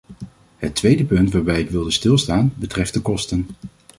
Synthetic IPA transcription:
ɦətʋejdəpɵntʋaːɹbɛjɪkʋɪlˠdəstɪlˠstaːnbətrɛft̚dəkɔstən

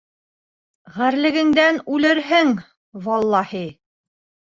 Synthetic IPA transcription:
ʁæɾlɘ̆ɡɘ̆ŋd̪ænʉlɘɾɦɘŋ | vɑlˠːɑhi

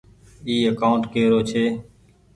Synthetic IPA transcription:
iːəkaʊnʈ̪keːɾoːt͡ʃʰeː

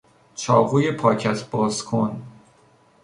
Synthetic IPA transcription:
t͡ʃʰɒːɣuːje̞pʰɒːcʰæt̪ʰbɒːzkʰon

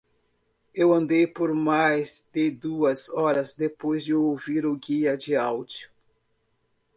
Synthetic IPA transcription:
ewɐ̃nd̪ejpoɾmajzd̪ɪd̪uɐzɔɾɐzd̪epojzd͡ʒɪowviɾʊɡiɐd͡ʒɪawd͡ʒu

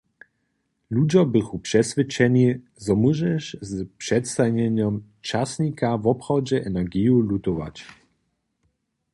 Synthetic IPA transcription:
lud͡ʑɔbɘxupʂɛsvʲɘt͡ʂɛɲi | zɔmuʒɛʃzpʂɛt̪st̪aɲʲɛɲɔm | t͡ʃasɲʲikavɔpxɔd͡ʑɛʔɛnɛɡʲijulut̪ɔva̰t͡ɕ

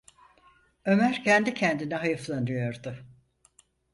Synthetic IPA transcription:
ø̞mæɾcʰɛnd̪icʰɛnd̪inɛɦajɯflˠanɯjo̞ɾd̪ʊ

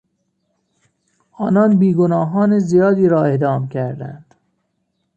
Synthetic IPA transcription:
ʔɒːnɒːnbiːɡonɒːɦɒːnezijɒːd̪iːɾɒːe̞d̪ɒːmcʰæɾd̪æ̰nd̪̥

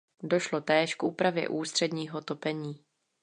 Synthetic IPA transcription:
do̞ʃlo̞t̪ɛːʃkʔuːpɾavjɛ̰ʔuːst̪r̝̥ɛdɲiːɦo̞t̪o̞pɛɲiː

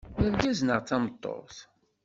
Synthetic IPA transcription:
əɾɡæznəʁt͡sːɑmət̪ˤːo̰θ

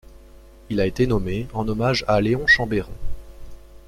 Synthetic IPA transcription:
ilaet̪enɔmeɑ̃nɔmaʒaleɔ̃ʃɑ̃beʁɔ̃

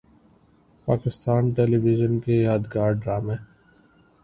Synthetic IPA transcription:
paːkɪst̪aːnʈɛːliʋɪd͡ʒənkejaːd̪ɡaːɾɖɾaːmẽː

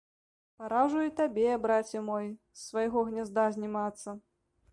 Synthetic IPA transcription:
paɾaʐujit̪abʲɛbɾat͡sʲɛmɔj | sːvajɣɔɣnʲazd̪azʲnʲimat̪sːɐ

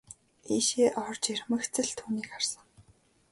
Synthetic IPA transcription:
iːʃeːʔɔrt͡ɕirʲmə̆xt͡sɘ̆ɮt̪ʰuːniːkarsə̆ŋ

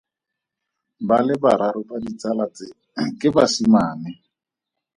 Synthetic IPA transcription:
balɪbaɾaɾʊbadit͡salat͡sɪ | kʼɪbasimaːnɪ

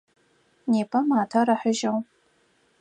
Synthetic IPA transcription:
neːpʰɐmaːtʰaɾɐħəʒɐw

